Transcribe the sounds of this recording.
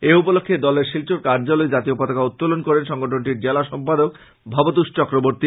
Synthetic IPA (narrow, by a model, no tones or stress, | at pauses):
eupolokʰːed̪ɔleɾʃilt͡ɕoɾkaɾd͡ʑaloed͡ʑat̪iopat̪akaut̪ːolonkoɾenʃɔŋɡoʈʰonʈiɾd͡ʑelaʃɔmpad̪ok̚ | bʱɔbot̪uʃt͡ɕɔkɾoboɾt̪i